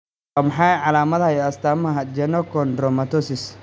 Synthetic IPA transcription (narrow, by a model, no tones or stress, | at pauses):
aːmɐħaːʕɑlaːmɐðhɐjɔɐst̪aːmɐɦɐd͡ʒɛnɔkɔnd̪ɾɔmɐt̪ɔsɪs